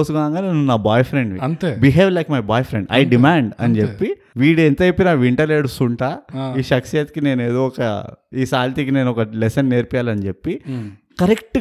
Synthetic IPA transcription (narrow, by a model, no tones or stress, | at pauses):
oːsuɡaːŋɡaːneːnunːaːbaːjpʰɾeɳɖʋḭɐnt̪ebiɦeːʋlɐjkmɐjbaːjpʰɾeɳɖɐ̰jɖimaːɳɖɐ̰nit͡ʃepːi | ʋiːɽent̪ɐepːinaʋiɳʈɐleːɽusuɳʈaːiːʃɐksijɐt̪ikine̞ːneːd̪oːɔkɐ̰iːsaːlt̪iːkine̞ːnuɔkɐlesɐnːe̞ːɾpɛjaːlɐnt͡ʃepːi | kɐɾekʈ